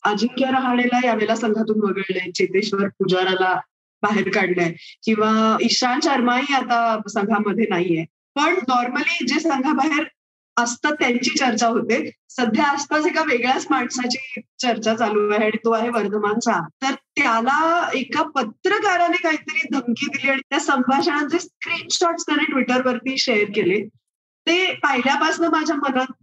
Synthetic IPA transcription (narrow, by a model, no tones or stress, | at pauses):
əd͡ʑiŋkjaɾəɦaɳ̃elajaʋelasəŋɡʱat̪uːnʋəɡəɭlət͡ɕet̪eɕʋəɾpud͡ʑaɾala | baɦeɾkaɽɳjakĩw̃ʋaiɕanɕəɾmaɦiat̪asəŋɡʱaməd̪ʱːjenaɦije | pəɳnɔɾməliːd͡zesəŋɡʱabaɦeɾ | əst̪at̪jaɲt͡ɕiːt͡ɕəɾt͡ɕaɦot̪esəd̪ʱjaːspasekaʋeɡɭjat͡smaɳsat͡ɕiːt͡ɕəɾt͡ɕat͡saluːaɦeaɽ̃it̪oaɦeʋəɾd̪ʱəmant͡sat̪əɾt̪jalaekapət̪ɾəkaɾanekaɦiːt̪əɾiːd̪ʱəŋkiːd̪iliːaɽit̪jasəmbʱaɕə̃ãd͡zeskɾiːnɕɔʈsk̪əɽ̃eʈʋiʈəɾʋəɾt̪iːɕejəɾkele | t̪epəɦiljapasnəmad͡ʑʱjamənən